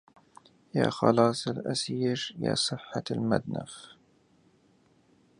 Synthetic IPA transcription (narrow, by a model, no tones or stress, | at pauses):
jaːxɑlɑːsˤalʔasɪʃjaːsˤɨħːaalmad̪naf